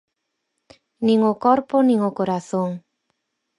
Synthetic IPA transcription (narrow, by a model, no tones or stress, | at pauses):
nĩŋʊkɔɾponĩŋokoɾaθoŋ